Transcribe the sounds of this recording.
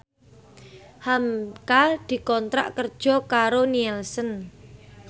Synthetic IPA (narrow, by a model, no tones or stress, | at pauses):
hamkad̪̥i̤kɔnt̪ɾa̰ʔkərd̥ʒ̥ɔ̤kaɾoniɛlsən